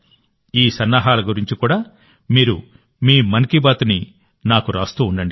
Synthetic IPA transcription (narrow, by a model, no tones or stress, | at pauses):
iːsɐnːaːɦaːlɐɡuɾiɲt͡ʃikuːɽaː | miːɾu | miːmɐnikibaːt̪uni | naːkuɾaːst̪uːuɳɖɐɳɖi